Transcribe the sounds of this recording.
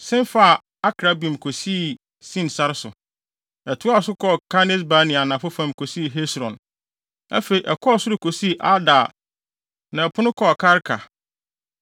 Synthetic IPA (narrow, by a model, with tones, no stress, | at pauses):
sɪ̃˦n˦fa˦˨ | a˦kʰɾa˦bĩ˨m˨kʰo˨si˦˨ | sĩ˦nsa˦ɾsʊ˨ | ɛ˨tʰʊ˦a˦˨sʊ˦kʰɔ˦˨kʰa˦nɪ˦s̬ba˨˦nɪ̃˨a˨nã˨fʊ˦fã˦˨mkʰo˨si˦˨ɦɛ˦sɾɔ̃˨n | a̰˦fe˨ɾi˨ʔɛ˨kʰɔ˦˨sʊ˦ɾɪ˨kʰo˨si˦˨ʔa˦da˨ | nã˨ɛ˨pʰʊ˦nʊ̃˦kʰɔ˦˨kʰa˦ɾkʰa˨